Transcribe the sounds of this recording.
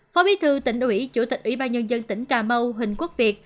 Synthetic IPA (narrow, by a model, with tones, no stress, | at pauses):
fɔ˨˦ɓi˨˦t̪ʰɨ˧t̪ï˧˩ŋ̟ʔwi˧˥t͡ɕṵ˧˩t̪i˨˩k̟̚ʔwḭ˧˦ɓaː˧nɲə˧nzə˧nt̪ï˧˩ŋ̟kaː˨˩mə˧wɦï˨˩ŋ̟kwu˦˥k̚vi˨˩ət̚